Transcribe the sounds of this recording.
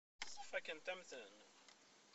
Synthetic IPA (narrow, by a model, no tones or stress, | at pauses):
sˤəfækːənt̪æmθən